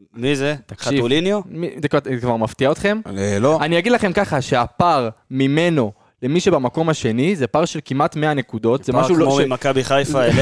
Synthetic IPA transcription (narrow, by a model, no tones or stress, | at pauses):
mizet̪akʃivulinjomizekkvaʁmaft̪iaot̪χe̞meloanijaɡid̪laχe̞mkaχaʃe̞apaʁmime̞no̞ | le̞miʃebamako̞maʃe̞nizepaʁʃe̞lkimʔat̪meane̞kud̪o̞tzemaʃumakabiχajfael